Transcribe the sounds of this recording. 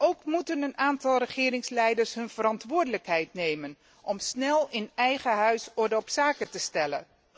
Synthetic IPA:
owkmutənənaːntɑlˠrəχɪːɾɪŋslɛjdəɹsɦɵnv̥əɾɑntʋʊːɹdələkɦɛjtnejmən | ʔɔmsnɛlˠɪnɛjχəɦœɥsɔɹdəɔpsaːkətəstɛlə̰

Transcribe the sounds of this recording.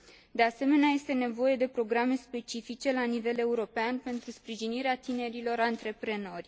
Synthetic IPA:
d̪e̞ase̞me̞neaje̞st̪e̞ne̞vo̞je̞d̪e̞pɾo̞ɡɾame̞spe̞t͡ʃifit͡ʃe̞lanive̞le̞uɾo̞peanpe̞nt̪ɾuspɾiʒiniɾeat̪ine̞ɾilo̞ɾant̪ɾe̞pɾe̞no̞rʲ

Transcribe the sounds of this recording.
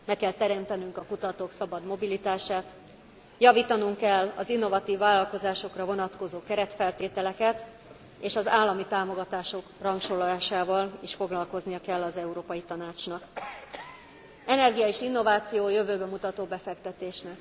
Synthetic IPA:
mɛkːɛlt̪ɛɾɛmt̪ɛnyŋkɒkut̪ɒt̪oːksɒbɒd̪mo̞bilit̪aːʃaːt̪ | jɒviːt̪ɒnuŋkɛlːɒ̰zinːo̞vɒt̪iːvːaːlɒlko̞zaːʃo̞krɒvo̞nɒt̪ko̞zoːkɛɾɛt̪fɛlt̪eːt̪ɛlɛkɛt̪ | eːʃɒzaːlːɒmit̪aːmo̞ɡɒt̪aːʃo̞krɒŋkʃolːaːʃaːvɒleːʃfo̞ɡlɒlko̞znijɒkɛlːɒzɛuɾoːpɒjit̪ɒnaːt͡ʃnɒk | ɛnɛrɡijɒeːʃinːo̞vaːt̪sijoːjø̞vøːbɛmut̪ɒt̪oːbɛfɛkt̪ɛt̪eːʃnɛk

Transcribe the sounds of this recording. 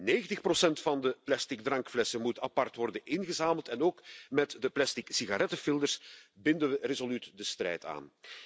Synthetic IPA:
neːɣəntəxprosɛntfɑndəplɛstɪɡ̚drɑŋkflɛsəmutəɑpɑrtʋɔrdənʔɪnɣəzaːməlˠtɛnoːkmɛtdəplɛstɪksiɣaɾɛtəfɪlˠdərsbɪndəʋərezolytdəstrɛ̰jta̰ːn

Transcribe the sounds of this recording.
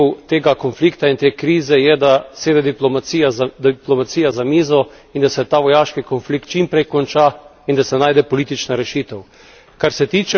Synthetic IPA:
wt̪eːɡakɔnflikt̪aint̪eːkɾiːzɛjɛd̪aseːd̪ɛd̪iplɔmaijazd̪iplɔmat̪siːjazamiːzɔ | ind̪asɛt̪aːʋɔjaːʃkikonflik̚t̪̚t͡ʃimpɾɛjkɔnt͡ʃa | ind̪asɛnaːjd̪ɛpɔliːt̪it͡ʃnaɾɛʃiːt̪ɛw | kaɾsɛt̪iːt͡ʃɛ

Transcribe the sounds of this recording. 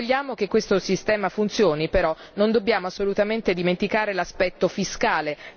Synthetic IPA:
ʎːaːmok̟ekːwest̪osist̪ɛːmafunt̪sjoːnipeɾɔ | nond̪obːjaːmoasːolut̪ament̪ed̪iment̪ikaːɾelaspɛt̪ːofiskaːle

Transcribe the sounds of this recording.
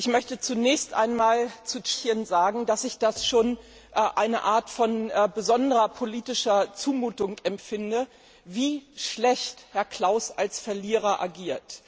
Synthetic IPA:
ʔɪçmœçtət͡sunɛːçstʔa̰ɪnmaːlt͡sut͡ʃːənzaːɡŋ̩d̥asɪçd̥asʃoːn | ʔʔaɪnə̰ʔaːɐtfɔnːbəzɔndəʁɐpʰoliːtɪʃɐt͡suːmuːtʊŋɛmfɪndə | viːʃlɛçthɛɐkʰl̥aʊsʔalsfɛɐliːʁ̞ɐʔa̰ɡiːɐt

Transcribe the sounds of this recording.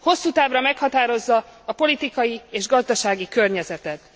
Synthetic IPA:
ho̞sːuːt̪aːvrɒmɛkhɒt̪aːɾo̞zːɒːpo̞lit̪ikɒjieːʒɡɒzd̪ɒʃaːɡikørɲɛzɛt̪ɛt̪

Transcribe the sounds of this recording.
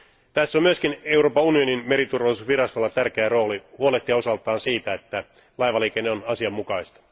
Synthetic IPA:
t̪æsːomyøskine̞uwɾro̞ːpɑunio̞ninme̞ɾit̪urʋɑlːˑisusʋiɾɑst̪o̞lːɑt̪ærk̟eæro̞ːlihuoleht̪ːiɑo̞sɑlt̪ˑɑːnsiːt̪æet̪ːæ | lɑjʋɑliːkenːeonɑsiɑmːukɑist̪ɑ̥

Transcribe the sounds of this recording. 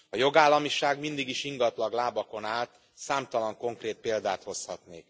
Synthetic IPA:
ɒjo̞ɡaːlːɒmiʃaːɡmind̪iɡiʃiŋɡɒt̪lɒɡlaːbɒko̞naːlt̪ | saːmt̪ɒlɒŋko̞ŋkreːt̪̚peːld̪aːt̪ho̞shɒt̪neːk

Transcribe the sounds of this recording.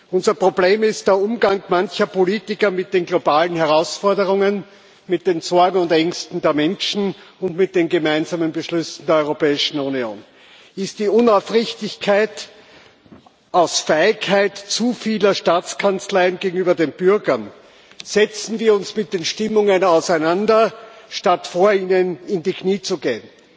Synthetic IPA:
ʔʊnzɐpʁ̥obleːmɪst̚d̥eːɐʔʊmɡaŋkmançɐpʰoliːtɪkɐmɪt̚d̥eːnɡlobaːlənhɛʁaʊsfɔɐdəʁʊŋən | mɪt̚d̥eːnt͡sɔɐɡŋ̩ʊntɛŋkstn̩deːɐmɛnʃn̩ | ʊntmɪt̚d̥eːnɡemæɪnzaːmənbəʃlʏsn̩deːɐɔʏʁopɛːɪʃn̩unio̰ːn | ɪst̚d̥iːʊnafʁɪçtɪçkʰaɪt | ʔaʊsfɛɪkʰhaɪtt͡sufiːlɐʃtaːt͡skʰant͡slaɪənɡeːɡŋ̩yːbɐdeːnb̥ʏɐɡɐn | z̥ɛt͡sn̩viːɐʊnsmɪt̚d̥eːnʃtɪmʊŋənaʊsæɪnandɐʃtatfoːɐiːnənɪndiːkʰniːt͡suɡeːən

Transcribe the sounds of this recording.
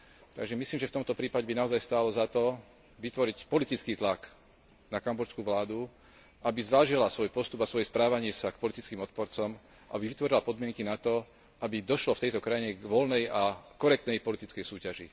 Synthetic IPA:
t̪a̰ɡʒɛmisliːmʒɛft̪ɔmt̪ɔpɾiːpaɟɛbinaɔzajst̪aːlɔzat̪ɔ | ʋit̪ʋɔɾicpɔlit̪it͡skiːt̪lak | nakambɔɾskuːʋlaːd̪u | ʔabizʋaːʒilasʋɔjpɔst̪ubasʋɔjɛspɾaːʋaɲɪɛsakpɔlit̪it͡skiːmɔt̪̚pɔɾt͡sɔm | ʔabivʋit̪ʋɔɾilapɔd̪mɪɛŋkinat̪ɔ | ʔabid̪ɔʃlɔft̪ɛjt̪ɔkɾajiɲɛɡʋɔlnɛjakɔɾɛk̚t̪nɛjpɔlit̪it͡skɛjsuːcaʒḭ

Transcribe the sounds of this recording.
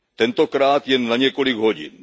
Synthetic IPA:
t̪ent̪okɾaːt̪jenːɐɲekoɽiɡʱoːd͡ʒḭn

